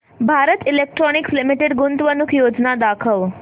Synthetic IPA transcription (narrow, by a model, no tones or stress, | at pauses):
bʱaɾət̪ilek̚ʈɾɔnikslimiʈeɖɡunt̪ʋənukʰjod͡ʒnad̪akʰəʋ